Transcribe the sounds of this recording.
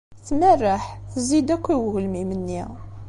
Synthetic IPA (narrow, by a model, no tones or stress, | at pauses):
θmərːaħθzid̪ækʷːiwɣəlmimənːi